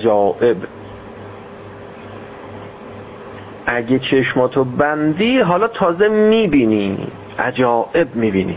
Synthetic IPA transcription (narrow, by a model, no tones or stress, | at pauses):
d͡ʒɒːʔe̞b | ʔæɡet͡ʃʰeʃmɒːt̪ʰobænd̪iːɦɒːlɒːt̪ʰɒːzemiːbiːniː | ʔæ̰d͡ʒɒːʔe̞bmiːbiːnḭː